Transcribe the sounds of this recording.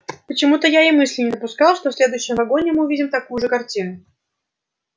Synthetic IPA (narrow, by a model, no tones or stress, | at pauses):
pət͡ɕɪmut̪əjaimɨsʲlʲɪnʲɪd̪əpʊskɑlˠʂt̪ofsʲlʲe̞d̪ʊjʊɕːɪmvɐɡo̞nʲɪmɨʊvʲidʲɪmt̪ɐkujʊʐɨkɐrtʲinʊ